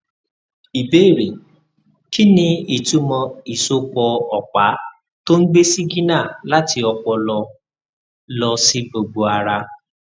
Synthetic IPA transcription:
i˨be˦˨ɾe˨ | ki˦nĩ˧i˨tu˧mɔ̃˧i˨so˧kɔ˧ɔ˨k͡pa˨˦ | to˦m̩˦ɡ͡be˦si˦ɡi˦nã˦˨la˦ti˧ɔ˧k͡pɔ˧lɔ˧ | lɔ˧si˦bo˧bo˧a˧ɾa˧

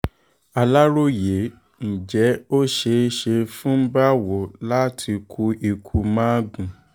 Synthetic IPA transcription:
a˧la˦ɾo˦˨je˨˦ | n̩˨d͡ʒɛ˨˦o˦ʃe˧˦ʃe˧fũ˦ba˦wo˨la˦tʰi˧kʰu˧i˧kʰu˧mãː˦ɡũ˨

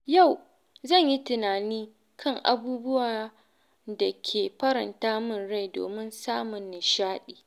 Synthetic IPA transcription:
ja˦˨w | zɐ˦˨ɲji˦tɪ˨naː˨niː˦ | kʰɐ˦˨ŋʔa̰˨buː˦bʊ˦waː˨ | da˨kʲʰeː˨ɸɐ˦ɾɐ˨ntaː˦mɪ˦˨nɽa˦˨jdo̰ː˨mɪ˦nsaː˦mʊ˨nːɪ˨ʃaː˦ɗiː˨

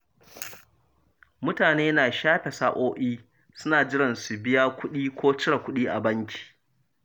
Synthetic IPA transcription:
mʊ˦taː˨neː˦naː˨ʃaː˦ɸɛ˨saː˦ʔoː˦ʔiː˦ | sʊ˦naː˨d͡ʒɪ˦ɽɐ˨nsu˨bɪ˦jaː˦kʷʊ˦ɗiː˦kʷʰoː˦t͡ʃɪ˦ɽa˨kʷʊ˦ɗiː˦ʔa̰˨bɐ˦ŋkʲʰi̥ː˨

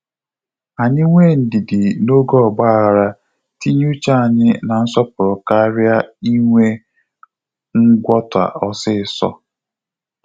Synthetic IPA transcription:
a˨ɲɪ˦ŋʷe˦˨n̩˨dɪ˨dɪ˨no˦ɡɔ˦ɔ˨ɡ͡ba˦˨ɣa˨ɾa˦ | ti˦ɲ˦u˦t͡ʃa˦a˨ɲɪ˦na˨n̩˦sɔ˦pʊ˨ɾʊ˨ka˦ɾja˦i˦ŋʷe˦ | ŋ̩˦ɡʷɔ˦ta̰˨ʔɔ˦sɪ˦ɪ˨sɔ̰˦

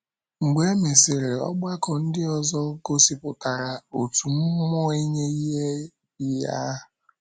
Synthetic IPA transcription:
ŋ͡m̩˨ɡ͡be˦me˨sɪ˨ɾe˨ɔ̰˦ɡ͡ba˦kɔ˨n̩˦dɪ˦ɔ˨zɔ˦ɡo˦si˨pʊ˨ta˨ɾa˨o˨tu˨m̩˦mɔ˦e˦ɲe˦i˦ɦe˦ | i˦ja̰˦˨

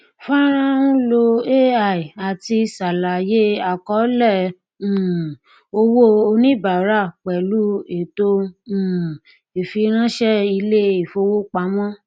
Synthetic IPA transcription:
fa˦ɾ̃ã˦nũ˦lo˧e˦a˨i˨a˨ti˧sa˨la˨je˦a˨kɔ˨˦lɛ̃˦˨ | o˧wo˦o˧nĩ˦ba˨ɾa˦˨k͡pɛ˨lu˦e˨tõ˧˦˨ | e˨fi˧ɾ̃ã˦ʃɛ˦i˧le˦i˨fo˧wo˦k͡pa˨˦mɔ̃˦

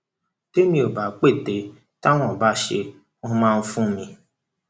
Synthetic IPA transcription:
te˦mi˨o˨ba˨k͡pe˦˨te˨ | ta˦ŋʷɔ˨ba˦ʃḛ˨ | u˦ma˦m̩˦fu˦mi˨

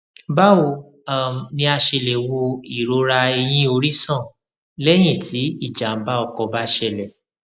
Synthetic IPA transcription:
ba˦wo˧˨ | a˨nĩ˧a˧ʃe˧˨le˨wo˧i˨ɾo˨˦ɾa˧e˧j̃ĩ˦o˧ɾi˦sɔ̃˦˨ | lɛ˦j̃ĩ˦˨ti˨˦i˦˨d͡ʒa˨m̩˦ba˦ɔ˧kɔ˧ba˦ʃɛ˧lɛ˨

